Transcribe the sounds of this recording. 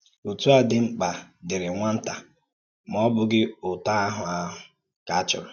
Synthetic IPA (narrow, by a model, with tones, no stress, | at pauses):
o˨tu˦a˨dɪ˨ŋ͡m̩˦k͡pa˨dɪ˨ɾɪ˨ŋʷa˦n̩˦ta˨ | m˨ɔ˦bʊ˨ɡɪ˦ʊ˨ta˦a˦ɦʊ˨a˦ɦʊ˨ | ka˨a˦t͡ʃɔ̰˨ɾʊ˨